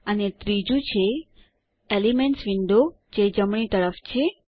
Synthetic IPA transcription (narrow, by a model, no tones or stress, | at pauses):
ənet̪ɾid͡ʒũt͡ʃʰe | elimeɳʈsʋiɳɖo | d͡ʒed͡ʒəmɳ̃it̪əɾəft͡ʃʰe